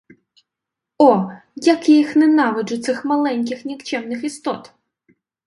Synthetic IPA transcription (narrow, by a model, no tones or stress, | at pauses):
ɔ | jɐkɪjxnɛnɑʋɪd͡ʒʊt̪sɪxmɐlˠɛnʲk̬ʲɪxnʲikt͡ʃɛwnɪxist̪ɔt̪